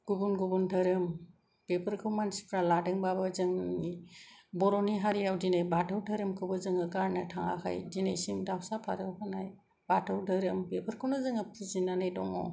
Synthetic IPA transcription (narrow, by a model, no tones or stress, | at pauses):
ɡ̥ubunɡubuntʰɐɾɯm | b̥epʰɯɾkʰɯwmansi̥pʰɾaladɯŋbabɯzɯŋibɔɾɔniɦaɾijawdinajbatʰɯwdʰaɾɯmkʰɯbɯzɯŋɯɡaɾnɯtʰaŋa̰kʰa̰jdinajsimdawsapʰa̰ɾɯwpʰanaj | b̥atʰɯwdʰʱɯɾɯmbepʰɯɾkʰɯwnɯzɯŋɯpʰizinanajdɔŋɔ̰